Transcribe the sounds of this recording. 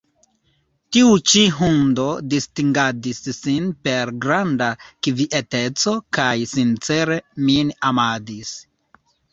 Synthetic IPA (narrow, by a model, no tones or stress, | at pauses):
tiut͡ʃiɦundo̞distiŋɡadisːinpe̞ɾɡɾandakviʔete̞t͡so̞kajsint͡se̞ɾe̞minamadis